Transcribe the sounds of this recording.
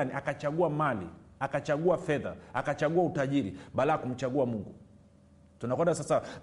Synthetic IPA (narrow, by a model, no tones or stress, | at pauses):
niʔakat͡ʃaɠuamalḭ | akat͡ʃaɠuafɛða̰akat͡ʃaɠuautaʄiɾḭɓalaakum̩t͡ʃaɠuamuŋɡu | tunakwɛndasasa